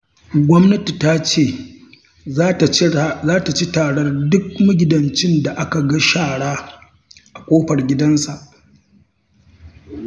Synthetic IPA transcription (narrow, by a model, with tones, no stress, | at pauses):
ɡʷɔ˦mnɐ˦ti˨ta˦t͡ʃeː˦˨˦ | zaː˦ta˨t͡ʃi˦taː˨ɽɐ˦rdʊ˦k̚mʊ˦ɡʲɪ˨dɐ˨nt͡ʃɪ˦nda˨ʔa˦ka˨ɡɐ˦ʃaː˦˨ɽaː˦ | ʔa˨kʷʼoː˦ɸɐ˨rɡʲɪ˦dɐ˦nsa˨ʔ